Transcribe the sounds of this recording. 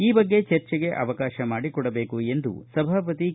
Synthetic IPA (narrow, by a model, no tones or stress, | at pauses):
iːbɐɡːe̞t͡ʃɐɾt͡ʃɛɡe̞ʔɐ̰ʋɐkaːʃɐmaːɽikɔɽɐbe̞ːkue̞nd̪ṵsɐbʱaːpɐt̪i